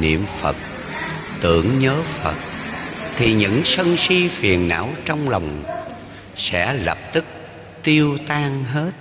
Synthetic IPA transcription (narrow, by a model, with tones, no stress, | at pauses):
nḭ˧˨əmfə̰˨˩t̚ | t̪ɨ̰˧˩˨əŋɲəː˨˦fə̰˨˩t̚t̪ʰi˨˩ɲɨ̰˧˥ŋsə˧nsi˧fi˨˩ənːa̰ː˧˥wt͡ɕɔ˧wŋ͡mla˨˩wŋ͡m | sɛ̰˧˥lə˨˩p̚t̪ɨ˦˥k̚ | t̪i˧əwt̪aː˧ŋɦe˦˥t̚